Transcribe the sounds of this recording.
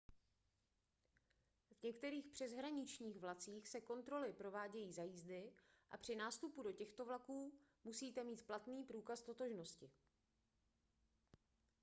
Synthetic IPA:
vɲɛkt̪ɛɾiːxpr̝̥ɛzɦɾaɲɪt͡ʃɲiːɣvlat͡siːxsɛko̞nt̪ɾo̞lɪpɾo̞vaːɟɛjiːzajiːzdɪʔapr̝̥ɪnaːst̪upudo̞cɛxt̪o̞vlakuːmusiːt̪ɛmiːt̪plat̪niːpɾuːkast̪o̞t̪o̞ʒno̞scɪ

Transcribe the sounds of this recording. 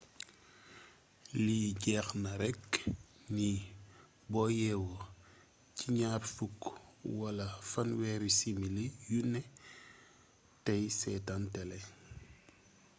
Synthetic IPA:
liɟɛːxnɐɾɛkni | bɔjɛwo | ciɲaːrfukwɐlɐfɐnwɛːɾisimilijunɛ | tɐjsɛːtantɛlɛ

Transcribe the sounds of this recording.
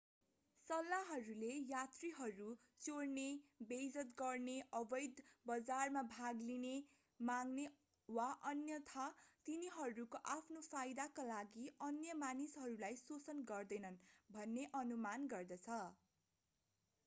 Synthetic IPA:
sʌlːaɦʌɾulejat̪riɦʌɾu | t͡soɽnebed͡zʌt̪ɡʌrneʔʌbʌjd̪bʌd͡zarmabʱaɡline | maŋne | waʔʌnjʌt̪ʰat̪iniɦʌɾukoʔapʰnopʰajd̪akalaɡiʔʌnjʌmanisɦʌɾulajsot͡sʌnɡʌrd̪ʌjnʌnbʱʌnːeʔʌnumanɡʌrd̪ʌt͡sʰʌ

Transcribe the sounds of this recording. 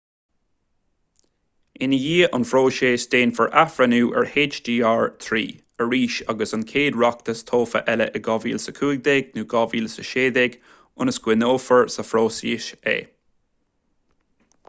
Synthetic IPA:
ɪnəjiːʔɑnfɾoːʃeːsteːnfəɹʔafɹənuːʔɛ̰ɹheːd͡ʒdiːaːɹt̪ʰɹḭː | əɹiːʃaɡəsankʰeːd̪ɹak̚t̪əst̪ʰoːfə̰ʔɛləʔəɡɑviːlsəkʰuːɡ̚d̪ɛɡnuːɡɑviːlsəʃeːd̪ɛɡ | ʊnəsɡ̥wɪnoːfəɹsəfɾoːsḭːʃḛː

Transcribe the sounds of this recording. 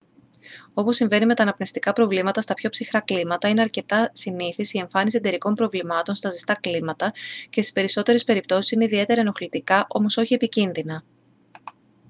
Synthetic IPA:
o̞po̞sːiɱve̞nime̞t̪ɐːnɐpnest̪ikɐpɾo̞vlimɐt̪ɐst̪ɐpço̞psixɾɐklimɐt̪ɐine̞ɐɾce̞t̪ɐsiniθisie̞ɱfɐnisied̪e̞ɾiko̞mpɾo̞vlimɐt̪o̞nst̪ɐzist̪ɐklimɐt̪ɐcest̪ispe̞ɾiso̞t̪e̞ɾe̞spe̞ɾip̚t̪o̞sisineiðie̞t̪e̞ɾɐeno̞xlit̪ikɐʔo̞mo̞so̞çie̞picinðinɐ

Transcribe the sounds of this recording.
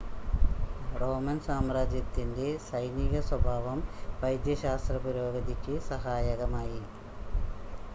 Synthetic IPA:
roːmɐnsaːmraːd͡ʑjɐt̪ːinde̞sɐjniɣɐswɐbʱaːʋɐmʋɐjd̪jɐɕaːst̪rɐpuɾoːɡɐd̪ikʲːɨsɐɦaːjɐɣɐmaːji

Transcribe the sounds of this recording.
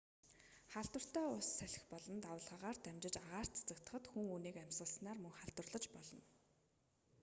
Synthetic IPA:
χaɮt̪wə̆r̥t̪æːʊsːæɮʲɪ̆xpɔɮɞ̆nt̪awəɮʁaːʁaːrt̪ʰæmʲt͡ɕɪ̆t͡ɕaʁaːr̥t̪t͡sʰḁt͡sə̆k̚t̪ə̥̆χə̆t̪xuŋuːniːkæm̥ʲsʁə̆ɮsnaːrmɵŋχaɮt̪wə̆rɮə̆t͡ɕpɔɮɞ̆n

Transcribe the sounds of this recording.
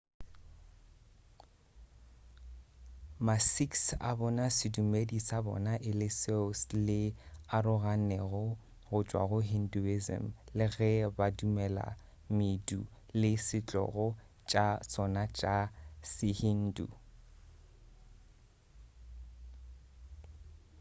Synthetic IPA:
masiksa̰bɔnasɪdumedisabɔ̰naʔɪlɪseslɪaɾʊɣanɛɣʊ | ɣʊt͡ʃʼwa̰ɣʊɦinduizɛ̰m̩lɪɣɛbadumɛla̰ | midu | lɪsɪt͡ɬʼɔ̰ɣɔ | t͡ʃʼasɔnat͡ʃʼasɪhin̩dṵ

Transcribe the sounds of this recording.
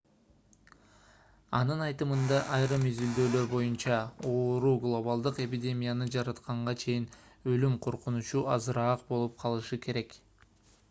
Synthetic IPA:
ɑnɯnɑjt̪ɯmɯnd̪ɑʔɑjɾɯmyzyld̪ø̞ːlø̞ɾbo̞junt͡ʃɑo̞ːɾuɡlˠo̞balˠd̪ɯqe̞pʲidʲe̞mʲijanɯd͡ʒɑɾɑt̪qɑɴʁɑt͡ʃʰe̞jin | ø̞lymqʰo̞ɾqunut͡ʃuʔɑzɯɾɑːq̚bo̞lˠup̚qʰɑlˠɯʃɯkʰe̞ɾe̞k

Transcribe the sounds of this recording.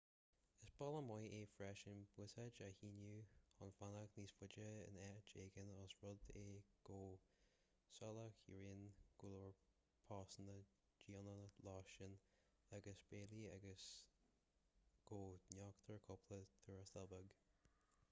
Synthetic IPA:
ɪsb̥ɔlˠəmɔjeːfɹɛʃənbwɪsad͡ʒahinjuɔnfanakniːsfʊd͡ʒəɪ̰nɛt͡ʃeːɡənɔsɹʊd̪eːɡ̥oː | sɔlakjə̰ɹinɡ̥ulɔɹ | pʰɑːsnə | d͡ʒiːɔnəlɑʃən | aɡəsb̥eːliaɡəs | ɡ̥oːnɔkt̪ʰəɹkʰʊpʰlət̪ʰuːɹast̪ɛlˠbəɡ

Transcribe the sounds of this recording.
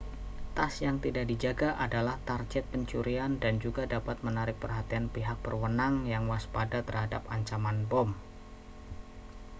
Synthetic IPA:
t̪asjaŋt̪idakdid͡ʒaɡaʔadalaht̪ard͡ʒɛt̪̚pəɲt͡ʃuɾiandand͡ʒuɡadapat̪̚mənaɾɪk̚pərɦat̪ianpiɦak̚b̥ərwənaŋjaŋwaspadat̪ərhada̰paɲt͡ʃamanbɔm

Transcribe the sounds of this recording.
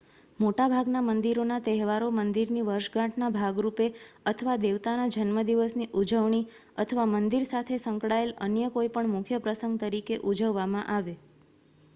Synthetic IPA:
moʈabʱaɡnamənd̪iɾonat̪ɛɦʋaɾomənd̪iɾniʋəɾʃɡãʈʰnabʱaɡɾupeət̪ʰəʋad̪eʋt̪anad͡ʒənməd̪iʋəsniʔud͡ʒəʋɳi | ət̪ʰəʋamənd̪iɾsat̪ʰesəŋkɽaelənjəkoipəɳmʊkʰjəpɾəsəŋɡ̚t̪əɾikeʔud͡ʒəʋːamãʔaʋe

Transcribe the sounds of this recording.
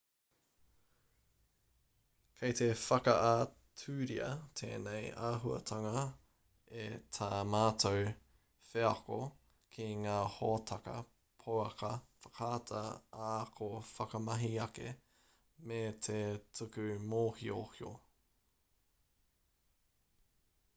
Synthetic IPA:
kʰejt̪ʰefɐkɐʔa | tʰʉːɾiɐ̰tʰḛːnejaːɦuɐ̰tʰɐŋɐ | etʰaːmaːtʰow | feɐko | kʰiŋaːhoːtʰɐkɐ̰ | pʰowɐkɐfɐ̥kʰaːtʰɐakʰofɐkɐmɐɦiɐkḛ | met̪ʰetʰʉkʉmoːhiohio̰

